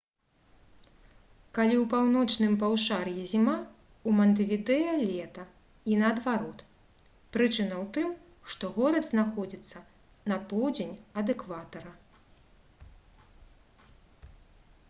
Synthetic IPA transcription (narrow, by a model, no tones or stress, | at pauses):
kalʲiwpawnɔt͡ʂnɨmpawʂarjizʲima | umɐnt̪̬ɨvʲid̪ɛjɐlʲɛt̪ɐ | inɐːd̪vaɾɔt̪ | pɾɨt͡ʂɨnɐwt̪ɨm | ʂt̪ɔɣɔɾɐd̪znaxɔd͡zʲit̪sːɐ | nɐpɔwd͡zʲenʲɐd̪ɛkvat̪ɐɾɐ